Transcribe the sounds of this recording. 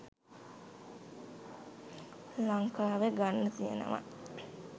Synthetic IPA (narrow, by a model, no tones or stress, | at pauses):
laŋkaːʋeɡanːət̪ijḛnə̰ma̰